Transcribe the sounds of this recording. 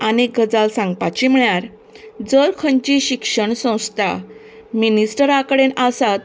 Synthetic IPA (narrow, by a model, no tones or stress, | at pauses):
anekɡʱəd͡zalsãŋɡpat͡ɕim̤ɭjaɾ | d͡zəɾkʰəɲt͡ɕiɕikʂəɳsə̃w̃st̪ʰa | minisʈəɾakəɽenasat̪